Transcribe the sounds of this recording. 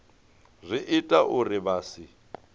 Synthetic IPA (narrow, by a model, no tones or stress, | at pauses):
zʷɪʔɪtʼaʔʊrɪbaːsɪ